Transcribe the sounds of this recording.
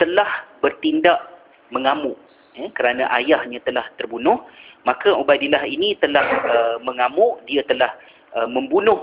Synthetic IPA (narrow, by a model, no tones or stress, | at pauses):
t̪əlahbərt̪indaʔ | məŋamʊʔ | jakəɾanaʔajahɲãt̪əlaht̪ərbunʊhmãkaʔubadilaɦinĩt̪əlahəmə̃ŋamʊʔdiat̪əlah | əmə̃mbunʊh